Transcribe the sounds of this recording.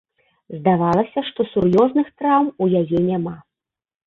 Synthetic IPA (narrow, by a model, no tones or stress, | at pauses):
zd̪avalˠɐsʲɐʂt̪ɔsurjɔznɨxt̪ɾawmujajɛnʲama